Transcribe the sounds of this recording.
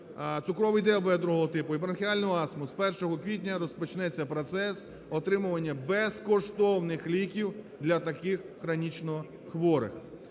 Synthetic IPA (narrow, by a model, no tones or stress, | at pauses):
t̪sʊkɾɔʋɪjd̪ɛbɛd̪ɾuɦɔɦɔt̪ɪpʊipɾɐnxʲɪalʲnɔɦɔɑsmʊspɛrʃɔɦɔkʋʲitʲnʲɐɾɔspɔt͡ʃnɛt͡sʲːɐpɾɔt̪sɛs | ɔt̪ɾɪmʊʋɐnʲːɐbɛskɔʃt̪ɔwnɪxlʲikʲiw | d̪lʲɐt̪ɐkɪxːɾɐnʲit͡ʃnɔ | xʋɔɾɪ̰x